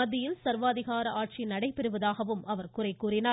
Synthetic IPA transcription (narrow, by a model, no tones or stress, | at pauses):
ɐðːɪjɪlsɐɾʋaːðɪɣaːɾɐʔaːʈ̚t͡ʃinɐɽɐɪpɛɾɯʋɐðaːɣɐʋɯmɐʋɐɾkʊrɐɪkːuːrɪnaː